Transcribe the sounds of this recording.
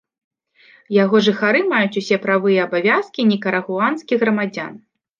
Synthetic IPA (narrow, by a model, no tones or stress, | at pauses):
jaɣɔʐɨxaɾɨmajut͡sʲusʲɛpɾavɨjɐɐbavʲaskʲinʲikɐɾɐɣuanskʲiɣɾɐmad͡zʲa̰n